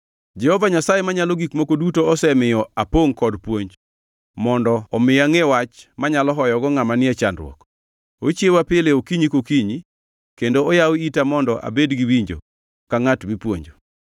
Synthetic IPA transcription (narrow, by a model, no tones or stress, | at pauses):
d͡ʒɛhɔvaɲasajemaɲaloɡikmokodutoɔsɛmɪjɔapoŋkɔdpwoɲd͡ʒ | mɔndɔːmɪaŋewat͡ʃmaɲalɔɦɔjɔɡɔŋamanɪɛt͡ʃandɾw̰ɔ̰k | ot͡ʃjewapɪleokiɲikokiɲi | kendoɔjawitamɔndɔʔa̰bedɡiwiɲd͡ʒo̰ | kaŋatbipwo̰ɲd͡ʒo